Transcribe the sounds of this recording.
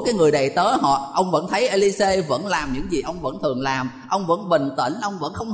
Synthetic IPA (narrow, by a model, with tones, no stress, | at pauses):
kaː˨˦jŋɨ˨˩əjɗə̰˧˨jt̪əː˨˦ɦɔ̰˧˨ʔə˧wŋ͡mvə̰˧˥nt̪ʰə˨˦jʔe˧li˧se˧və̰˧˥nlaː˨˩mɲɨ̰˧˥ŋzi˨˩ʔə˧wŋ͡mvə̰˧˥nt̪ʰɨ˨˩əŋlaː˨˩m | ʔə˧wŋ͡mvə̰˧˥nɓï˨˩ŋ̟t̪ḭ˧˥nʔə˧wŋ͡mvə̰˧˥nxə˧wŋ͡m